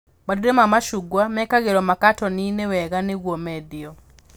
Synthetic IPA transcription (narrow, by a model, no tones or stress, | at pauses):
baduɾemamaʃuɡwamɛkaɣeɾɔmakatɔninewɛɣaneɣwɔmɛdiɔ